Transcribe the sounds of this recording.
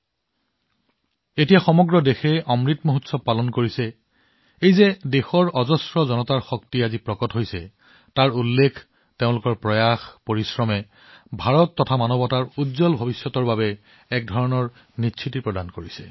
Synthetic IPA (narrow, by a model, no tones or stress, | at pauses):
etijaxɔmɔɡɹɔdexɛɔmɹitmoɦutsɔpalɔnkoɹisɛ | ejzɛdexɔɹɔzɔsɹɔzɔnɔtaɹxɔktiazipɹɔkɔtɦojsɛ | taɹulːekʰ | teʊ̃lʊkɔɹpɹɔjaxpoɹisɹɔmɛ | bʱaɹɔtːɔtʰamanɔbɔtaɹudzɔlbʱɔbisjɔtɔɹbabɛː | k̚dʱɔɹɔnɔɹ | nit͡ʃʰitipɹɔdankoɹisɛ